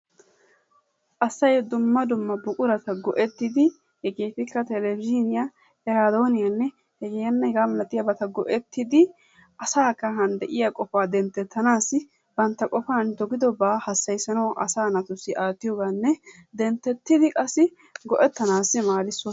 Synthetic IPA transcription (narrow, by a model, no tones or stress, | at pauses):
ʔɐsːɐjd̪ʊmːɐd̪ʊmːɐbʊkʼʊɾɐt̪ɐɡɔʔɛt̪ːɪd̪ɪ | hɛɡeːt̪ɪkːɐt̪ɛlɛbɪd͡ʒɪnɪja | ɛɾaːd̪o̞ːnɪjɐnːɛ | hɛɡejɐnːɛhɛɡaːmɛlɐt̪ʼːɪjabɐt̪ɐɡɔʔɛt̪ʰːɪd̪ɪ | ʔɐsaːkːɐɦɐnd̪ɛʔɪjakʼɔfaːd̪ɛnt̪ːɛt̪ːɐnaːsːɪ | b̥ɐnt̪ːɐkʼɔfaːnd̪ɔɡɪd̪ɔbaːhɐsːɐjsɐnɐwʔɐsaːnɐt̪ʊsːɪʔaːt̪ːɪjoːɡanːɛ | d̪ɛnt̪ːɛt̪ːɪd̪ɪkʼɐsːɪ | ɡɔʔɛt̪ːɐnaːsːɪmaːlɪsːɔ